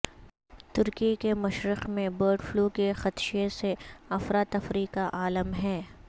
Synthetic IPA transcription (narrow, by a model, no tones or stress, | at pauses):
t̪ʊɾkikemɐʃɾɪqmẽbəːɾɖfluːkexɐt̪ʃeseɐfɾaːt̪ɐfɾiːkaʔaːləmɦɛː